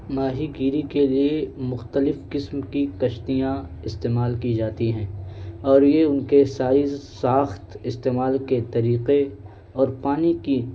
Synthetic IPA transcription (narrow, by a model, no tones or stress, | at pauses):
maːɦiɡiːɾikeliemʊxt̪əlɪfkɪsmkikɐʃt̪ijã | ɪst̪eːmaːlkid͡ʒaːt̪iɦɛ̃ːɔːɾjeʊnkesaːizsaːxt̪ɪst̪eːmaːlket̪ɐɾiːqe | ɔːɾpaːniki